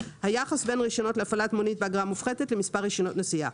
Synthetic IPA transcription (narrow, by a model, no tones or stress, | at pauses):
hajaχasbe̞nʁiʃo̞no̞tleafalat̪monitbeaɡʁamufχedetlemispaʁiʃono̞tnasia